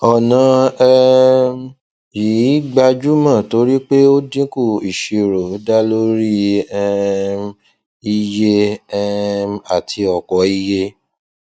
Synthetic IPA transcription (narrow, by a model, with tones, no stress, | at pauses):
ɔ˨nã˨˧ɛ˦ | ji˨˦ɡ͡ba˧d͡ʒu˦mã˦˨to˨˧˦ɾi˦k͡pe˦o˦dĩ˦ku˦˨i˨ʃi˧ɾo˨˦da˦lo˦ɾi˦˧ | i˦je˦ɛ˦a˨tʰi˧ɔ˨kɔ˨˦i˦˧je˦